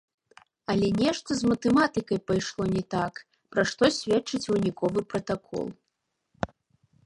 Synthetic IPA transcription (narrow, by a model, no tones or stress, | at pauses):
ɐlʲɛnʲɛʂt̪ɐzmɐt̪ɛmat̪ɨkɐjpajʂlˠɔnʲɛt̪ak | pɾaʂt̪ɔsʲvʲɛt͡ʂːɨt͡sʲunʲikɔvɨpɾɐt̪akʰɔ̰lˠ